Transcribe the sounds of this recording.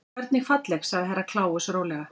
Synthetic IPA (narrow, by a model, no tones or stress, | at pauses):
ɛɾt̪nɪfat̪lɛxsaɣðɪɦaɾːakʰlaːwʏsɾoːwlɛɣa